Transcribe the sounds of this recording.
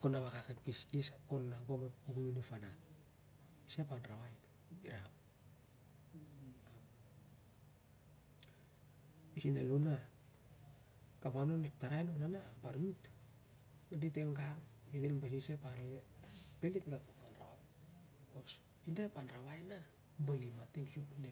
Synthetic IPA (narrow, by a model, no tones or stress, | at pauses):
konaβakaketpiskisakonaɡomeuɡuminifana | isapanɾawajna | biɾam | pisineluna | kamanonep̚taɾajnonanapaɾmit | aditeŋɡaminenbas̬isepaɾepelitɡatukanraa | kos | indapanɾaβajna | balimatiŋsupne